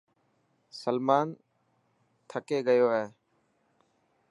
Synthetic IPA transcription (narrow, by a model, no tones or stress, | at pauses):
səlmaːn | t̪ʰəkeːɡəjoːɦeː